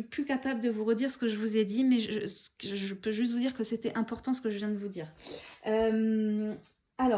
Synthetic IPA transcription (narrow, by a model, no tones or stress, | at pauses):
plykapabləd̪əvuʁəd̪iʁsə̥kəʒəvuzɛd̪imɛʒəssə̥kʒəpøʒyst̪vud̪iʁkəset̪ɛʔɛ̃pɔʁt̪ɑ̃sə̥kəʒəvjɛ̃d̪əvud̪iːʁøm | alɔ